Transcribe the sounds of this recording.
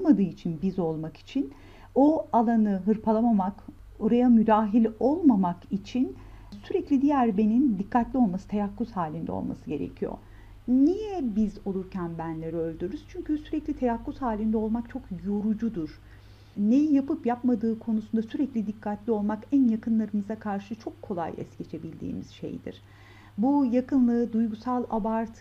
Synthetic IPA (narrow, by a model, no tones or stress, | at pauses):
olˠmad̪ɯːit͡ʃʰinbizo̞lˠmaki̥t͡ʃʰin | o̞alˠanɯɦɯɾpʰalˠamamak | o̞ɾajamyd̪aːɦilʲo̞lˠmamakit͡ʃʰin | syɾɛclʲid̪ijæɾbe̞nind̪ikʰːat̪lʲio̞lˠmasɯt̪ʰejakːushaːlʲind̪ɛ̰o̰lˠma̰sɯɟe̞ɾḛcʰijo̰ | nijɛbizo̞lˠuɾcʰænbænlʲeɾiø̞lʲd̪yɾyz̥t͡ʃʰyɲcʰysyɾɛclʲit̪ʰajakːushaːlʲind̪ɛo̞lˠmakt͡ʃʰo̞kjo̞ɾud͡ʒud̪uɾ̥ | nejijapɯpjapmad̪ɯːkʰo̞nusund̪asyɾɛclʲid̪ikʰːat̪lʲio̞lˠmakænjakɯnlˠaɾɯmɯzakʰaɾʃɯt͡ʃʰo̞kʰːo̞lˠa̰jɛ̰sce̞t͡ʃʰe̞bilʲd̪ḭːmiz̥ʃḛjd̪ḭɾ̥ | bujakʰɯnlˠɯd̪ujɡusalˠa̰baɾt̪ʰ